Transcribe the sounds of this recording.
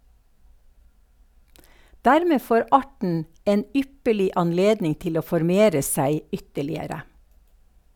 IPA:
ˈdæɾˌmeː ˈfoːɾ ˈɑʈɳ̩ ˈeːn ˈʏpəɭɪ ɑnˈleːdnɪŋ ˈtɪl ˈoː fɔɾˈmeːɾə ˈsæɪ ˈʏtəɭɪəɾə

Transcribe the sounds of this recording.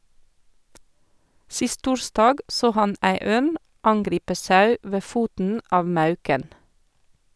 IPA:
ˈsɪst ˈtuːɹstɑːɡ ˈsoː ˈhɑn ˈʔæɪ ˈøːn ˈʔɑnɡɾiːpə ˈsɑʉ ˈʋeː ˈfuːtn̩ ˈʔɑːʋ ˈmɑʉkən

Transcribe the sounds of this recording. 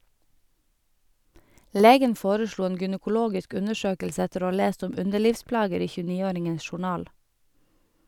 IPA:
ˈleːɡən ˈfoːɾəˌʃɭuː ˈeːn ɡʏnəkʊˈloːɡɪsk ˈʉnəˌʃøːkəlsə ˈɛtəɾ ˈoː ˈɑː ˈleːst ˈʊm ˈʉndəˌɭiːʋˌsplɑːɡəɾ ˈiː çʉːˈniːˌoːɾɪŋən ʃʊˈɳɑːl

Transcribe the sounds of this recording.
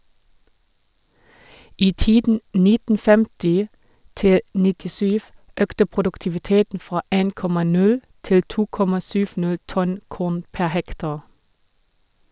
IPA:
ˈiː ˈtiːdn̩ ˈnɪtn̩ ˈfɛmtɪ ˈtɪl nɪtɪˈsyːʋ ˈøːktə pʁʊdʉktɪʋɪˈteːtn̩ ˈfʁɑː ˈeːn ˈkɔmɑ ˈnʉl ˈtɪl ˈtuː ˈkɔmɑ ˈsʏʋ ˈnæl ˈtɔn ˈkuːn ˈpæ ˈhɛktɑʁ

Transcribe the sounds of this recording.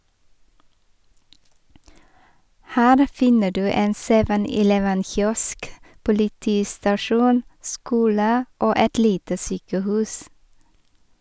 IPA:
ˈhæːɾ ˈfɪnə ˈɖʉː ˈeːn ˈseːʋən ɪˈlɛʋən ˈçjɔsk pʊlɪˈtiːstɑˌʃuːn ˈskuːlə ˈoː ˈɛt ˈliːtə ˈsyːkəˌhʉːs

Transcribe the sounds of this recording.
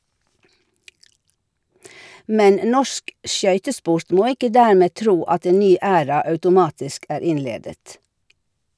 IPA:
ˈmɛn ˈnɔʃk ˈʃjœʏtəˌspʊɾt ˈmoː ˈɪkə ˈdæːɾmeː ˈtɾuː ˈɑt ˈeːn ˈnyː ˈæːɾɑ ɑʉtʊˈmɑːtɪsk ˈæːɾ ˈɪnˌleːdət

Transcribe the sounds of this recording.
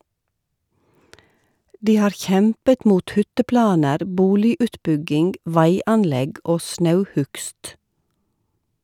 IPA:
ˈdiː ˈhɑːɾ ˈçɛmpət ˈmuːt ˈhʏtəˌplɑːnəɾ ˈbuːlɪʉːtˌbʉɡɪŋɡ ˈʋæɪɑnˌlɛɡ ˈʔoː ˈsnɑʉˌhʉkst

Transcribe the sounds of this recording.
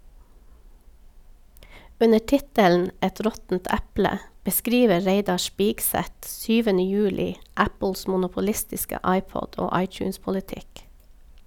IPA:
ˈʉnə ˈʈɪtəln̩ ˈɛt ˈɾɔtn̩t ˈɛplə bəˈskɾiːʋə ˈɹeɪdɑ ˈspiːkˌsɛt ˈsyːʋənə ˈjʉːlɪ ˈæpəls mʊnʊpʊˈlɪstɪskə ˈɑɪˌpɔd ˈoː ˈɑɪˌtjʉːspɔlɪˌtɪk

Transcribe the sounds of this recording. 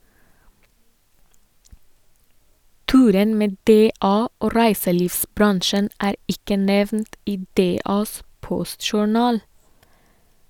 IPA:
ˈtʉːɾən ˈmeː ˈdeːɑː ˈoː ˈɾæɪsəˌliːʋsˌbɾɑnʃən ˈæːɾ ˈɪkə ˈnɛʋnt ˈiː ˈdeːɑːs ˈpɔstʃʊˌɳɑːl

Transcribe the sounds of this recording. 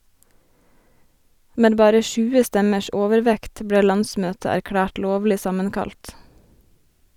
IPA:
ˈmeː ˈbɑːɾə ˈʃʉːə ˈstɛməʃ ˈoːʋəɾˌʋɛkt ˈbɽeː ˈlɑnˌsmøːtə æɾˈkɽæːʈ ˈloːʋlɪ ˈsɑmənˌkɑlt

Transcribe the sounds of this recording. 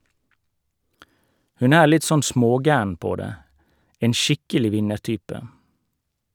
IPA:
ˈhʉn ˈæːɾ ˈlɪt ˈsɔn ˈsmoːˌɡæːɳ ˈpoː ˈdeː ˈeːn ˈʃɪkəlɪ ˈʋɪnəˌʈyːpə

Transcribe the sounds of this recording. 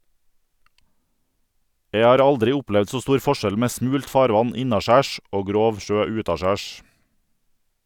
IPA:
ˈjeɪ ˈɑːɾ ˈɑldɾɪ ˈʊˌplɛʋd ˈsoː ˈstuːɾ ˈfɔˌʃɛl ˈmeː ˈsmʉːlt ˈfɑːɾˌʋɑn ˈɪnɑˌʃæːʃ ˈoː ˈɡɾoːʋ ˈʃøː ˈʉːtɑˌʃæːʃ

